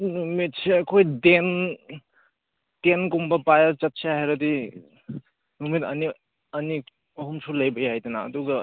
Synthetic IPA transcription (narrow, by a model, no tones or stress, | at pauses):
numit̚siɐkʰojden | tenkumbɐpajat͡ʃɐt̚sʰaɦeɾɐdi | numitɐni | ɐni | ɐɦumsʰulɐjbɐjajdɐna̰ːduɡɐ